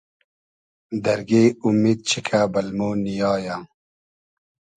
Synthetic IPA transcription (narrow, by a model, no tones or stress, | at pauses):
d̪ɐɾɡeːumiːd̪̚t͡ɕʰikʰaːbɐlmoːnijɑːjaː